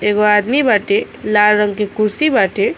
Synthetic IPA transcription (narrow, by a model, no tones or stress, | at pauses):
eːɡoad̪mibaʈe | laːlɾəŋɡkekʊɾsibaːʈe